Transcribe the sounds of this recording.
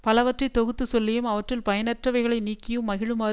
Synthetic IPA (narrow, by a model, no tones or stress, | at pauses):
pɐlɐʋɐʈrɐɪt̪ːɔɣɯt̪ːɯsɔlːɪjɯmɐʋɐʈrɪlpɐjɐnɐʈrɐʋɐɪɣɐɭɐɪniːkːɪjɯmːɐɣɪɻɯmaː